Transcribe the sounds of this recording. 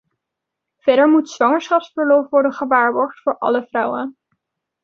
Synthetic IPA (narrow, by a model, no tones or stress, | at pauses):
v̥ɛɾəɹmutsʋɑŋəɹsχɑpsfəɹlɔfʋɔɹdənχəʋaːɹbɔɹχtfʊːɹʔɑ̰ləvrʌwən